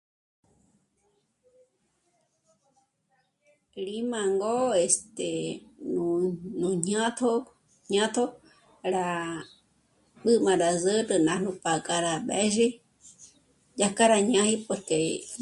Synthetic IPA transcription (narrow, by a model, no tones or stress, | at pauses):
ɾimãŋɡoest̪enunũɲãt̪ʰo | ɲãt̪ʰo | ɾa | ɓɨmãɾazɨɾɨnãnũpakʼaɾaɓḛʒi | d͡ʒakaɾaɲãhipʷeke